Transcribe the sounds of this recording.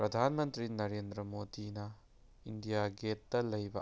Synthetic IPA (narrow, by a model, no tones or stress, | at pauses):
pɾɐdʱanmɐnt̪ɾinɐɾendɾɐmodinɐ | indijaɡetːɐlɐjbɐ̰